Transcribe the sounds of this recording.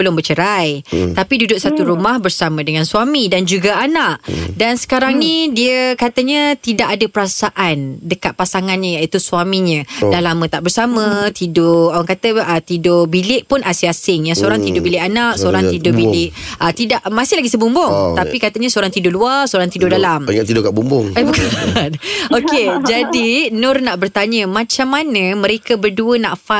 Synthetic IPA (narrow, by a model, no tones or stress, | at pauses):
bəlʊŋbət͡ʃəɾajt̪apidudʊʔ̚sat̪uɾumahbərsamə̃dəŋãnswamidand͡ʒuɡaanaʔdansə̥kaɾaŋnidiəkat̪əɲət̪idaʔadapəɾasaʔandəkat̪̚pasaŋanɲəjaʔit̪usuamiɲə̃dalamə̃t̪aʔbərsamə̃t̪idʊawaŋkat̪əət̪idʊbilɪʔpʊnʔasɪasɪŋjaŋsəoɾaŋt̪idʊbilɪʔanaʔsoɾaŋtt̪idʊbilɪʔ | ʔət̪idaʔmasɪhlaɡisəbumbʊŋt̪apikat̪əɲãsəoɾaŋt̪idʊluasəoɾaŋt̪idʊdalamiŋaʔt̪idʊkaʔbumbʊŋabəkanoked͡ʒadinʊrnaʔbərt̪aɲəmãt͡ʃamːanə̃mə̃ɾekəbərduənaʔfa